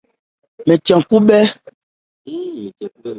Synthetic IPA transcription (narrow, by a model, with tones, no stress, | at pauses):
mɛ˨tjã˨ŋku˦ɓɛ˦